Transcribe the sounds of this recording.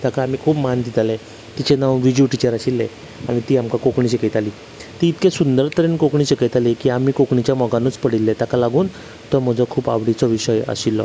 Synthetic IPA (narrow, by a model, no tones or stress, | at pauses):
t̪akaːmiːkʰuːpmand̪it̪alɛ | t̪it͡ɕenawʋid͡ʑuʈit͡ɕəɾaɕilːe | aɽit̪iːamkakokɳiɕeket̪aliː | t̪iːt̪kesund̪əɾt̪əɾenkokɳiɕəkət̪alekiːamiːkokɳit͡ɕjamɔɡanəːt͡spəɽilːet̪akalaɡuːn | t̪əm̤əd͡zɔkʰuːpa̰ʋɽit͡sɔʋiɕəjə̰ɕilːɔ